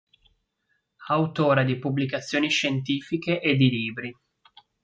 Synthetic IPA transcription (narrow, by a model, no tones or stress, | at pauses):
awt̪oːɾad̪ipubːlikat̪sːjoːniʃent̪iːfikeʔed̪ːiliːbɾi